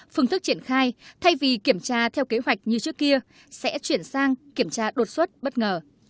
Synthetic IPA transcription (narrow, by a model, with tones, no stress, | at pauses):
fɨ˧ŋt̪ɨ˦˥k̚t͡ɕi˧˩ənxaː˧jt̪ʰa˧jvi˨˩ki˧˩əmt͡ɕaː˧t̪ʰɛ˧wke˨˦ɦwa˨˩jk̟̚ɲɨ˧t͡ɕɨ˦˥əkːi˧ə | sɛ̰˧˥t͡ɕwi˧˩ənsaː˧ŋki˧˩əmt͡ɕaː˧ɗo˨˩t̚swə˦˥t̚ɓə˦˥t̚ŋəː˨˩